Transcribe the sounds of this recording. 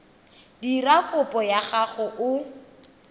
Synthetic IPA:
dirakʼʊpʼɔjaχaχʊʔʊ

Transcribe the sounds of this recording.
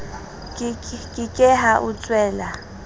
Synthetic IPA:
kʼɪkʼɛɦaʔʊt͡sʼwɛːla

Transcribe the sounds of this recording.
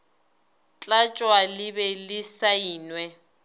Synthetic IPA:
t͡ɬʼat͡ʃʼwalɪbɛlɪsaiːnwɛ

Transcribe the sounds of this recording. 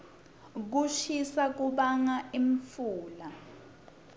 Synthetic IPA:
k̬uʃisak̬uɓaŋaiɱfuːla

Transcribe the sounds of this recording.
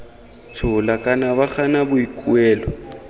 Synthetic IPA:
t͡sʰʊlakʼanaβak͡xanabʊikʼuɛːlɔ

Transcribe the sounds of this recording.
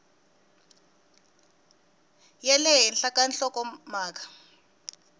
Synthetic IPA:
jɛlɛɦɛnɬakanɬɔkʼɔmaːk̬ʼḁ

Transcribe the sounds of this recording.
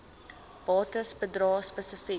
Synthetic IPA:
b̥ɑːtəsbədrɑːspəsəfi

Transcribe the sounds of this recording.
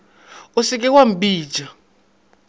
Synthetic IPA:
osik̬ʼɛwam̩bi̥ːd͡ʒa

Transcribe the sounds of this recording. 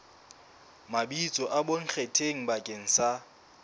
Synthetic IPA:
mabit͡sʼɔʔaboŋ̩k͡xʰetʰeŋ̩bakʼeŋ̩sa

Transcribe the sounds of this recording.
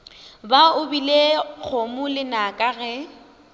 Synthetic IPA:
baʊbilek͡xʰomʊlɪnakʼaɣɛ

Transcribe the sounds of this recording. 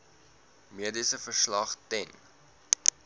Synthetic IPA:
miədisəfərslɐχtɛn

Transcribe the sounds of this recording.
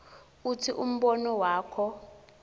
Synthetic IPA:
utʰiʔum̩ɓɔnɔwaːkʰɔ

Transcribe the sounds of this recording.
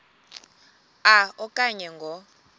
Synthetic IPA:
aɔkʼaɲɛŋɡʱɔ

